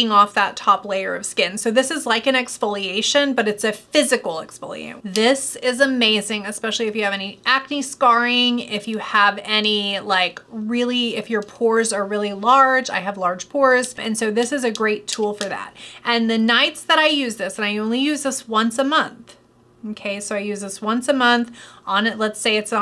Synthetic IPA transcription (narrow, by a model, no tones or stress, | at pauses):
ɪ̃ŋɔfðətʰɑpleɪə̰˞ʌ̰v̥skɪ̃nsoʊðɪsɨzlaɪkɨ̃nɨkspɔlˠieɪʃɨ̃nbʌɾɨtsɨfɪzɨkl̩ˠɨkspɪ̰lˠḭḛɪðɪsɪzəmeɪzɪ̃ŋɨspɛʃl̩ˠiɨfjɨːvɛniʔækniskɑɹɪ̃ŋɪfjɨəvɛnilaɪkɹɪlˠiɪfjə˞pʰɔɹzə˞ɹɪlˠilɑɹd͡ʒa̰ɪɨvlɑɹd̥ʒ̥pʰɔɹz̥ɨ̰̃nsoʊðɪsɨzɨɡɹeɪtʰulˠfə˞ðæ̰t̚ʔɨ̃nðɨnaɪtsðɨɾaɪjʉzðɪsɨ̃naɪõʊ̃nlijʉzðɪswʌ̃nsəmʌ̃nθ | okʰeɪsoʊaɪjʉzðɪswʌ̃nsɨmʌ̃nθʔə̃nɨtˡlətseɪɨts